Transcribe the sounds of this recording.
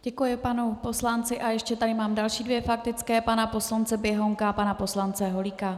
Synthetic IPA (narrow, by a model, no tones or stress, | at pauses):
ɟ̥ɛkujɪpanupo̞slant͡sɪʔajɛʃcɛt̪adɪmaːmdalʃiːdvjɛfak̚t̪ɪt͡skɛːpanapo̞slant͡sɛbjɛɦo̞ŋkapanapo̞slant͡sɛɦo̞lika